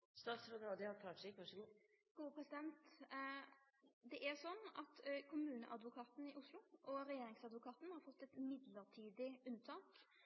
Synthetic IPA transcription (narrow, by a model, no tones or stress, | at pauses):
st̪ɑːt̪sɾɑd̪nɔd̪ɛhɑɾkʰlɑːʈʂɛkʋɑʂəɡuː | ɡ̥uːəpʰɾɛsɪd̪ɛnt̪ | d̪ɛʔæɾsɔnːɑt̪kʰʊmʉːnə̰ʔɑd̪ʋʊkʰɑːt̪n̩ɪʔʊslʊʔɔɾɛjeːɾɪŋsɑd̪ʋʊkʰɑːt̪n̩hɑɾfɔt̪ːɛt̪mɪd̪ləɾʈ̪ʰiːd̪ɪʉnt̪ʰɑːk